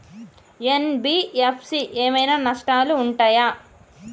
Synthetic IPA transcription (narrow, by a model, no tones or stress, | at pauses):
enbiepʰsiʔeːmɐjnaːnɐʂʈaːluːɳʈaːja